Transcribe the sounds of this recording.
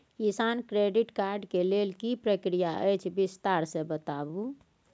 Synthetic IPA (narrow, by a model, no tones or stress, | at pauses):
kisankɾeɖiʈkaɾɖkelelkipɾəkɾijaə̰jt͡ʃʰbist̪aɾsẽbət̪abu